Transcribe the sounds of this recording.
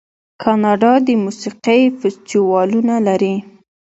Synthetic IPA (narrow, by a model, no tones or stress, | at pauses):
kʰɑnɑɖɑd̪əmusiqejfɪst̪iwɑlunalaɾi